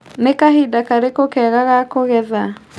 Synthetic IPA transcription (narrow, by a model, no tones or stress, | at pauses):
nekaɦidakaɾekokɛɣaɣakoɣɛða